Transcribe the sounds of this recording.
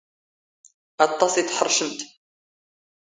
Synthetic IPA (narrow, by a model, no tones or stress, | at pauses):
ɑt̪ˤːɑsiθħərˤʃəmt̪